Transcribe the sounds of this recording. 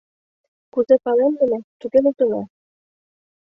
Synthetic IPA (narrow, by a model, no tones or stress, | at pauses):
kuzepɑlend̪ə̆nĕt̪uɡelut̪ɤ̆nɑ